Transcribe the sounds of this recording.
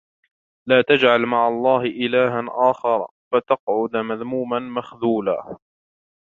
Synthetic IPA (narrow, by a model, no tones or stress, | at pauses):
laːt̪ad͡ʒʕalmaʕɑlˤːɑːhɪʔɪlaːɦanʔaːxɑɾˤɑ̰ | fat̪ɑqʕʊd̪maðmuːmanmaxðuːla̰ː